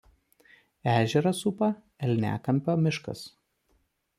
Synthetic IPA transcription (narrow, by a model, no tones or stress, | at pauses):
æːʒʲɛɾɐsʊpɐ | ɛlʲnʲæ̰ːkɐmʲpʲoːmʲɪʃkɐ̰s